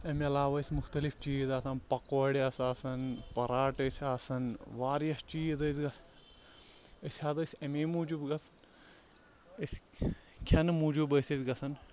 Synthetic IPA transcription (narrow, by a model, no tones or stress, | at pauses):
ɐmɐlaːʋɐisʲmʊxt̪ɐlifʰt͡ʃiːzaːsaːnpɐkʋɐɽiɐsaːsɐnpɐɾaːʈəsʲaːsɐnʋaːɾjɐst͡ʃiːzɐzɡɐs | əsʲhaːd̪ɐsʲɐmeːmuːd͡ʒubɡɐsʰɐn | əskʰɐnmuːd͡ʒubəsʲɐzʲɡɐsɐn